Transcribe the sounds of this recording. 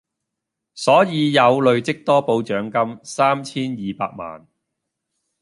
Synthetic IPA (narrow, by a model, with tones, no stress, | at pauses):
sɔː˨˥jiː˨˧jɐ˨˧wlɵ˨˧ɥt͡sɪ˥k̚t̪ɔː˥po˨˧wt͡ʃœː˨˥ŋkɐ˥msaː˥mt͡sʰiː˥njiː˨paː˧k̚ma̰ː˨n